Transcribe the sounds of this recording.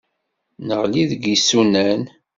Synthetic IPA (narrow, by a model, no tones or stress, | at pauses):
nəʁliðəɡisunæn